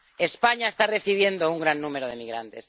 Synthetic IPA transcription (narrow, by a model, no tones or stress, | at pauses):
e̞spaɲaest̪are̞θiβ̞je̞nd̪ouŋɡɾanːũme̞ɾoð̞e̞miɣɾa̰nt̪e̞s